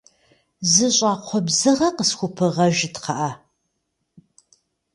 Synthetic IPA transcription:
zɨɕʼaːqʷʰɔbzɨʁɐqəsxʷʊpʰɨʁɐʒɪtqʰɐʔɐ

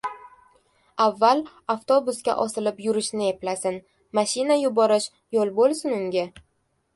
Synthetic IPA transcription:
avːal | aft̪ʰo̞bʊskʲa̰ʔɒsɪlɪpjʊɾɪʃnɪe̞plasɪn | maʃinajʊbɒɾɪʃ | jolˠbolˠsɪnʊŋɡʲɪ

